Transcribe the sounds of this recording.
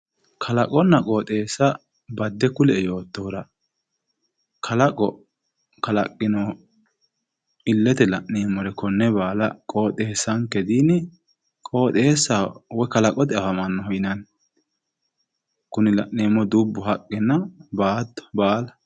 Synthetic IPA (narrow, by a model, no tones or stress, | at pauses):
kʰɐlɐkʼɔnːɐkʼoːt̪ʼe̞ːsːɐ | bɐd̪ːɛkʊlɛjo̞ːt̪ːoːɾɐ | kʰɐlɐkʼɔ | kɐlɐ̰kʼːɪnɔ | ɪlːɛt̪ɛlɐʔneːmːɔɾɛkɔnːɛbaːlɐkʼo̞ːt̪ʼe̞ːsːɐŋkɛd̪iːnɛ | kʼo̞ːt̪ʼe̞ːsːawɔkɐlɐkʼɔt̪ɪɐfɐmɐnːɔhɔjnɐn | kʊnɪlɐʔneːmːɔd̪ubːʊɦɐkʼːɪnːɐbaːd̪ɔ̥baːlɐ